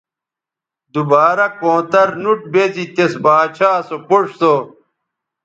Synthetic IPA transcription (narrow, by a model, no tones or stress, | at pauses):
d̪ubaːɾɐkõːt̪ɐɾnuʈ̚bezit̪esbaːt͡ɕʰaːsopoʂso